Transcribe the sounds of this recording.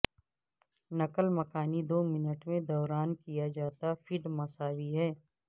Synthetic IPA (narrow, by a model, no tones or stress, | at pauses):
nɐkəlmɐkaːnid̪oːmɪnəʈmẽd̪ɔːɾaːnkijad͡ʒaːt̪afʰɪɖmɐsaːwiɦɛː